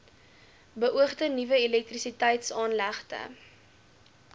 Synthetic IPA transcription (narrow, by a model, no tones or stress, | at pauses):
bəʔuəχtənivəilɛk̚trisitɛjtsɑːnlæχtə̰